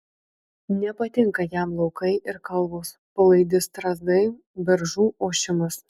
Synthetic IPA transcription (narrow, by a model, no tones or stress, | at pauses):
nʲɛpɐt̪ʲɪŋkɐjæmlˠɒʊkɐɪʔɪɾkɐlˠˑbos | pɐlˠɐɪd̪ʲɪst̪ɾɐzd̪ɐɪ | bʲɛɾʒuːʔoːʃʲɪmʊs